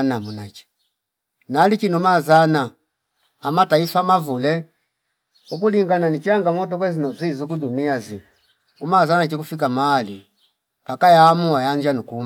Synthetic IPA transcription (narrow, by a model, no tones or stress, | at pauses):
namunat͡ʃɛ̥ | nalikinumazanaː | mataifamavulɛ | ukuliŋɡananit͡ʃiaŋɡaŋɔt̬ɔkwɛzinɔzizukuduniazi | umazanat͡ʃikufik̬amaːli | pakajamuajaɲd͡ʒanukum